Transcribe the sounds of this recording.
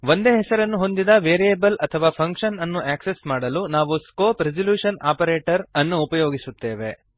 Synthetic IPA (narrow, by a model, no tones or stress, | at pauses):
ʋo̞nd̪e̞ːɦɛsɐɾɐnːuɦo̞nd̪id̪ɐʋeːɾijebɐlɐt̪ʰɐʋaːpʰɐŋkʂɐnɐnːuʔaːksesmaːɽɐlunaːʋuskoːpɾed͡ʒɐljuːʂɐnaːpɐɾeːʈɐɾɐnːuːpɐjoːɡisut̪ːe̞ːʋe̞̰